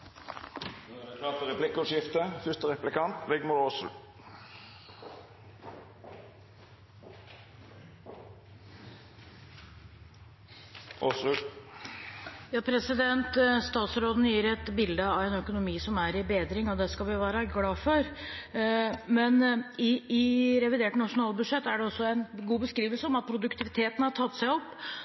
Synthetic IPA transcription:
ɑt̪əɾɛplɪkːɔʂɪft̪əfʏst̪əʁɛplɪkʰɑnt̪ʋɛɡmʊɾos | ʔɔsʉ | jɑːpʰɾɛsɪd̪ɛnt̪st̪ɑːt̪sɾoːd̪n̩jiːɾɛt̪bɪld̪əɑʋɛnœkʊnʊmiːsɔmæɾɪbeːd̪ɾɪŋɔd̪ɛskɑlʋɪʋæːɾəɡlɑːfɔɾ | mɛnɪɪɾɛʋɪd̪eːʈnɑʂʊnɑːlˠbʉd̪ʂɛt̪ːæɖɛɔsːɔænɡuːbəskɾiːʋəlsəɔmɑt̪̚pʰɾʊd̪ʉkt̪ʰɪʋɪt̪ʰeːt̪n̩hɑʈʰɑt̪ːsæɪɔpː

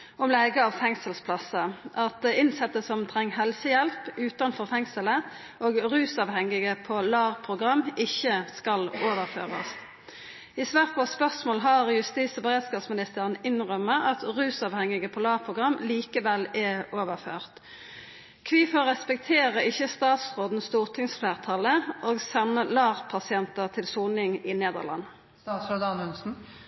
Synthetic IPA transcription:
ʔɔmlɛɡəɑʋfɛŋsəlspʰlɑsəʔɑt̪̚d̪ɛɪnsɛt̪ːəsɔmt̪ʰʁɛŋːɦɛlsəjɛlpʉːt̪ɑnfɔʁfɛŋsələ | ʔoːɡʁʉːsɑʋhɛŋːɪɡəpʰolɑːʁpʰʁʊɡʁɑmːɪçːəskɑloːʋəʁfø̰ːʁɑ̰s | ɪsʋæːʁpʰɔspœʁsmoːlɦɑʁjʉst̪iːsɔbəʁeːd̪skɑːpsmɪnɪst̪ʰəʁənɪnʁœmːəʔɑt̪ʁʉːsɑʋhɛŋɪɡəpʰɔlɑːʁpʰʁʊɡʁɑmliːkəʋɛlɛoːʋəʁføːʁt̪ | kʰʋiːfoːʁɛspɛk̚t̪ʰeːʁəɪçːəst̪ɑːt̪sʁoːd̪n̩st̪uːʁt̪ʰɪŋsflæːʁt̪ʰɑləʔoːɡsɛnːəlɑːʁpʰɑsɪɛnt̪əʁt̪ʰɪlsuːnɪŋɪneːd̪ə̰ʁlɑ̰n | ɑt̪sɾoːd̪ɑnʉnsn̩

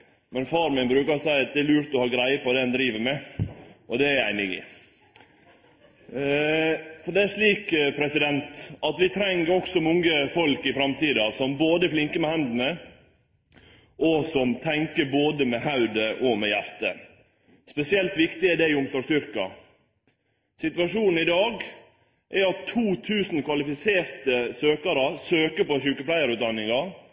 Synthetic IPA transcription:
mɛnfɑːɾmɪnbɾʉːkɑɾsæɪɑt̪̚d̪ɛːlʉːɾt̪ɔhɑːɡɾæɪəpɔd̪ɛnd̪ɾiːʋəmɛ | ʔɔd̪ɛæɾæɪnɪɡɪ̰ | fɔɖɛæʂɭiːkpʰɾɛsɪd̪ɛnt̪ɑt̪ʋɪt̪ʰɾɛŋːəɔksɔmɔŋːəfɔlkɪfɾɑmt̪iːd̪ɑsɔmboːd̪əflɪŋkəmɛhɛnd̪n̩ə | ʔɔsɔmt̪ʰɛŋkəɾboːd̪əmɛhɑʉd̪əʔɔmɛjæɾt̪ə̰ | spɛsɪɛlt̪ʋɪkt̪ɪɛɖɛɪʊmsɔːst̪ʏɾkɑ̰ | sɪt̪ʋɑʂuːnn̩ɪd̪ɑːɡ | ʔɛɑt̪ʰːuːt̪ʰʉːsn̩kʰʋɑlɪfɪseːɾt̪əsøːkɑɾəsøːkəɾpɔʃʉːkəplæɪəɾʉːt̪̚d̪ɑnːɪŋɑ

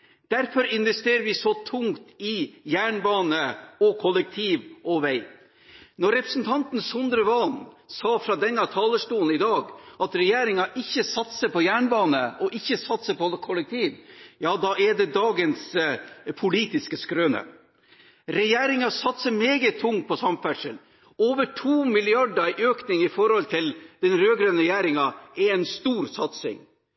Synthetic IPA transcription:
d̪̥æɾfɔɾɪnʋɛst̪eːɾəɾʋɪsɔt̪ʰʊŋt̪ɪjæːɳbɑːnəɔkʰɔlɛk̚t̪ʰiːʋʔɔʋæɪ | nɔɾɛpɾəsn̩t̪ʰɑnt̪n̩sʊnd̪ɾəʋɑn | sɑːfɾɑd̪ɛnːɑt̪ʰɑːləʂʈuːn̩ɪd̪ɑːɡʔɑt̪ɾɛjeːɾɪŋɑʔɪçːəsɑt̪səpɔjæːɳbɑːnəʔɔʔɪçːəsɑt̪səpɔkʰɔlɛkt̪ʰiːʋjɑːd̪ɑʔɛɖɛd̪ɑːɡəns | pʰʊliːt̪ɪskəskɾøːnə̰ | ɾɛjeːɾɪŋɑsɑt̪səmeːɡət̪ʰːʊŋt̪̚pʰɔsɑmfæʈʂəl | oːʋəʈʰuːmɪlɪɑɖəʔøːknɪŋɪfɔɾhɔlt̪ʰɪld̪̥ɛnɾøːɡɾøːnəɾɛjæːɾɪŋɑɛɛnst̪uːɾsɑt̪sɪ̰ŋ

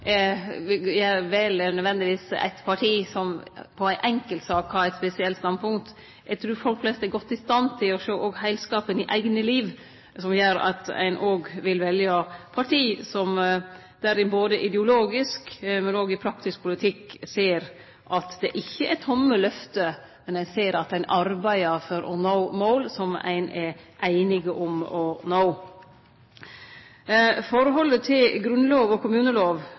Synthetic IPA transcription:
jæʋɛːlənœd̪ʋɛnd̪ɪʋiːsæ̰ɪt̪pʰɑʈʰiːsɔmpʰɔæɪʔɛŋkəlt̪sɑːkhɑɾæɪt̪spɛsɪɛlt̪st̪ɑnpʰʊŋkt̪ | ɛɡt̪ʰɾʉːɾfɔlkflɛst̪æɾɡɔt̪ːɪst̪ɑnt̪ʰɪlɔʂoːʔɔːɡhæɪlskɑːpənɪʔæɪɡnəliːʋ | sɔmjøːɾɑ̰t̪æ̰ɪnʔoːɡʋɪlʋɛljəpʰɑʈʰiːsɔm | d̪̥æɾɪboːd̪əʔɪd̪ɛʊloːɡɪskmɛnoːɡɪpʰɾɑkt̪ɪsk̚pʰʊlɪt̪ʰɪkːseːɾ | ʔɑt̪d̪ɛːʔɪçːəʔɛt̪ʰɔmːəlœft̪ə | mɛnæɪseːɾɑt̪æɪnʔɑɾbæɪəfɔɾʔɔnoʊmoːlsɔmæ̰ɪnɛʔæɪnɪɡəʔʊmɔnoʊ | fɔɾɦɔlət̪ʰɪlɡɾʉnloːʋɔkʊmʉːnəloːʋ

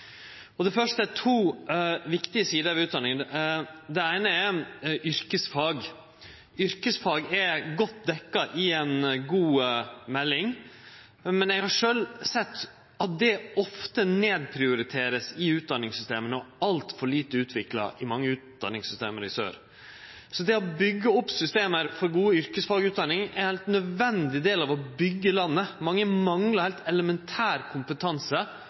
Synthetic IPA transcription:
ɔd̪ɛfœʂʈəæt̪ʰuːʋɪkt̪ɪəsiːd̪əɾɑʋʉːt̪d̪ɑnːɪŋənd̪ɛæɪnəɛʔʏɾkəsfɑːɡ | ʏɾkəsfɑːɡɛɾɡɔt̪ːd̪ɛkːɑʔɪɛnɡuːmɛlːɪŋ | mɛnɛɡhɑɾʂøːlsɛt̪ː | ɑt̪̚d̪ɛɔft̪əneːd̪pʰɾɪʊɾɪt̪ʰeːɾəsɪʉːt̪̚d̪ɑnːɪŋsʏst̪eːmənəɔɑlt̪fɔɭiːt̪əʉːt̪ʰʋɪklɑ̰ʔɪmɑŋːəʉːt̪d̪ɑ̰nɪŋsʏst̪eːməɾɪsø̰ːɾ | sɔd̪ɛɔbʏɡːəɔpːsʏst̪eːməɾfɔɾɡuːəʏɾkəsfɑɡəʉːt̪̚d̪ɑnːɪŋɛhɛɪlt̪nœd̪ʋɛnd̪ɪd̪eːlɑʋɔbʏɡːəlɑnːəmɑŋːəmɑŋləɾhɛɪlt̪ɛləmɛnt̪ʰæːɾkʰʊmpət̪ʰɑnsə

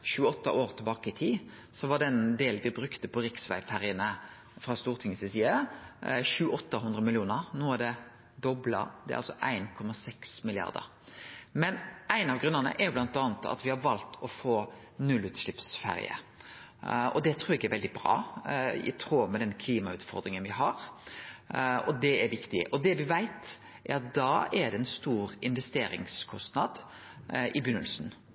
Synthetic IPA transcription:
ɕʉːəɔt̪ːəʔoːɾt̪ʰɪlbɑːkəɪt̪ʰiː | sɔʋɑd̪ɛnd̪eːlʋɪbɾʉkt̪əpʰɔɾɪksʋæ̰ɪfæʁɪənə | fɾɑst̪uːɾt̪ʰɪŋəsɪsiːɑ | çʉːəɔt̪ːəɦʉnd̪ɾəmɪlɪuːnəɾnoːæɖ̪ɛ | d̪ɔblɑ̰d̪ɛ̰æ̰ɑ̰lsɔʔæɪnkʰɔmɑsɛksmɪlɪɑ̰ʁd̪ə̰ɾ | mɛnæɪnɑʋɡɾʉnəʁnə̰ʔɛɾjʊblɑnt̪ɑːnət̪ʰɑ̰t̪ʋɪhɑʋɑlt̪ʰɔfoː | nʉlːʉt̪slɪpsfæ̰ɾɪ̰ə̰ | ɔ̰d̪ɛt̪ʰɾuːɾɛɡæɾʋɛld̪ɪbɾɑ̰ːɪ̰t̪ʰɾoːmɛd̪ɛnkʰliːmɑʉːt̪fɔɾd̪ɾɪŋənʋɪɦɑɾ | ɔd̪ɛɛɾʋɪkt̪ɪʔɔd̪ɛʋɪʋæɪt̪ | ʔɛɾɑt̪̚d̪ɑːɛɖ̪ɛɛnst̪uːɾɪnʋɛst̪eːɾɪ̰ŋskʰɔst̪nɑd̪ | ʔɪbʏnːəlsn

